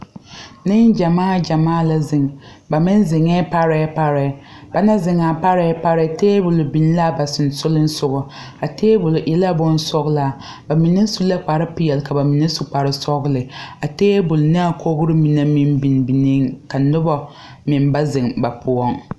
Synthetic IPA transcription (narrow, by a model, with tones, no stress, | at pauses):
nɪ˦ŋd͡ʒa˨maː˦d͡ʒa˨maː˦˨la˦zɪ˨ŋ | ba˨mɪ˦nzɪ˨ŋɛː˦pa˦ɾɛ˦pa˦ɾɛ˨˦ | b̥a˨na˦zɪ˨ŋa˨pa˦ɾɛ˨˦pa˦ɾɛ˦teː˦bʊ˨lʊ˨bi˨n˦la˦˨ba˨sɪ˨n˨sʊ˦lɪ˦n̩˦sʊ˦ɣʊ˨ | a˨teː˦bʊ˨lʊ˨ʔɛ˦la˦bʊ˦n˦sɔ˦ɣla˨ | ba˨mi˨nɪ˦su˦la˦k͡pa˨ɾɪ˦pɪ˨jɛ˨lka˨ba˨mi˨na˦su˨k͡pa˨ɾɪ˦sɔ˦ɣlɪ˨a˨teː˦bʊ˨lʊ˨nɨ˦a˦˨kʰo˦ɡʊ˦ɾɪ˦mi˨na˦mɪ˦nbi˨n˨bi˨ni˦ŋka˨nʊ˦ba˦ | mɪ˨nba˦zɪ˨ŋba˨pʰʊ˨ɔ˦ŋ